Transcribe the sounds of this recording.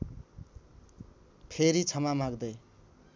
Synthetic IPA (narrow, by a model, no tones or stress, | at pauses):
pʰeɾit͡sʰʌmamaɡd̪ʌj